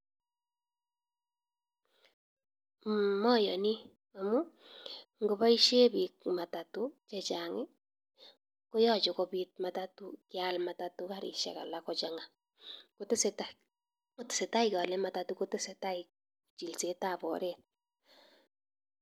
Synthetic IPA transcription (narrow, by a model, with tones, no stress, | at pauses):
mɔ˦jɔ˨ni˦ | o˨mu˦ | ŋɡo˨ba˦i˦ʃe˦bi˨k̚ma˨ta˨tu˦t͡ʃɛ˦t͡ʃa˨ŋɪ˦ | ko˦jɔ˦t͡ʃɔ˨kɔ˦bi˦t̚ma˨ta˦tu˦kɪalma˨ta˨tu˦ka˦ɾḭ˨ʃɛ̰˨ka̰˨la˦kɔ˨t͡ʃa˦ŋa˨ | kotɪ˦sta | o˦tɪ̥˨se˨ta˦ɪkɔ˨lɛ˦ma˨ta˨tu˦ko˦tɪ˦se˨ta˦ɪk̚ | t͡ʃi˨lse˦ta˦˨bɔ̰˨ɾe˦t̚